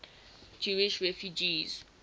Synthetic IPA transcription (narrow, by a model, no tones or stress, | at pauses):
d͡ʒuwiʃrɛfjud͡ʒiz